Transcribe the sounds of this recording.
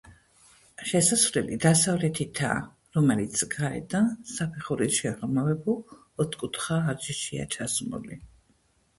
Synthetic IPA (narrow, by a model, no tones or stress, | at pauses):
ʃɛsasvlɛlid̪asavlɛt̪ʰit̪ʰa̰ | ɾɔmɛlit̪sʰɡaɛ̰d̪asapʰɛχuɾisʃɛʁɾmavɛbu | ɔt̪ʰkʼut̪ʰχaːɾd͡ʒiʃia̰t͡ʃʰasmṵlḭ